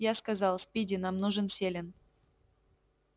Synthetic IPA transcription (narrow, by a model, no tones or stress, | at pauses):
jaskazɑlˠsʲpʲidʲɪnamnuʐɨnsʲelʲɪn